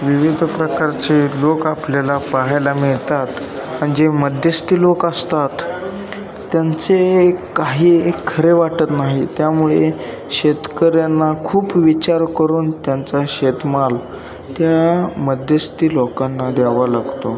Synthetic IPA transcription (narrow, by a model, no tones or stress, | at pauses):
ʋiʋid̪ʱpɾəkaɾt͡ɕelokapljalapaɦajlamiɭt̪at̪ | məɳd͡zeməd̪jəst̪iːlokəst̪at̪ː | jant͡sekaɦiːkʰəɾeʋaʈət̪naɦit̪jamuɭe | ɕet̪kəɾjanːakʰuːpʋit͡ɕaɾkəɾuːnt̪jant͡saɕet̪mal | t̪jaməd̪jəst̪iːlokanːad̪aʋalaɡt̪o